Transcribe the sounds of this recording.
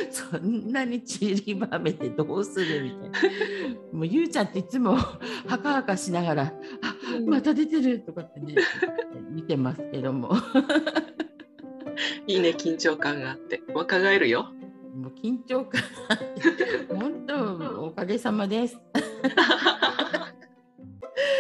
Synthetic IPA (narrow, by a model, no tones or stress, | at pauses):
sõ̞nːaɲ̟it͡ɕiɾʲibame̞t̪e̞d̪oːsɨɾɯ̟mʲit̪aijn | moːjɯːt͡ɕãnt̪e̞it͡sɨmo̞hakahakaɕinaɣaɾaamat̪ad̪e̞t̪e̞ɾɯ̟t̪o̞kat̪ːe̞ne | mit̪e̞masɨ̥ke̞d̪o̞mo̞̰ | iːne̞kʲĩɲt͡ɕo̞ːkãŋɡaːt̪ːe̞βakaɡaeɾɯ̟jomoːkʲĩɲ̟t͡ɕo̞ːkãŋɡaat̪ːehõ̞nt̪o̞okaɡe̞samad̪e̞sɨ̥